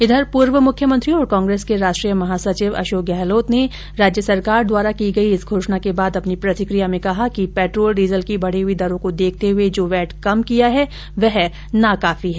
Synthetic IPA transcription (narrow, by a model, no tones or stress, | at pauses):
ɪd̪ʱəɾpuːɾʋəmʊkʰːjəmə̃nt̪ɾiõɔːɾkãːŋɡɾeːskeɾaːʃʈɾijəmɐɦaːsɐt͡ʃɪʋɐ̰ʃoːk̚ɡɛːɦloːt̪ne | ɾaːd͡ʒjəsɐɾkaːɾd̪waːɾakiɡɐiɪsɡʱoːʃnakebaːd̪ɐpnipɾɐt̪ɪkɾijamẽkɐɦakipɛːʈɾoːlɖiːzəlkibɐɽ̤iɦʊid̪ɐɾõkod̪eːk̚ʰt̪eɦʊed͡ʒoːʋɛːʈkɐmkijaɦɛ | ʋɛɦ | nakaːfiɦɛː